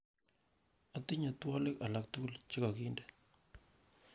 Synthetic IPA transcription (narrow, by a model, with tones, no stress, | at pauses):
a˦ti˦ɲa˨twɔ˦lɪ˦ka˨la˨k̚tʊ˦kʊ˦lt͡ʃɪ˦ka˨ki˦ndɛ˦